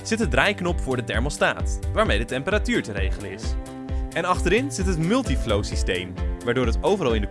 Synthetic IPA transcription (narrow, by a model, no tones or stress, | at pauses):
z̥ɪtɦədrajknɔpfʊːɹdətɛɹmolˠsta̰ːtʋaːɹmejdətɛmpəɾatyːɹtəɾejχələɪs | ɛnɑχtəɾɪnz̥ɪtɦətmɵlˠtiflowsistejmʋaːɹdʊːɾɦətowvərɑlˠɪndə